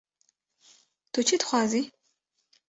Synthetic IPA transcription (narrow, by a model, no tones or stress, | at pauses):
tʰot͡ʃʰitχʷɑːziː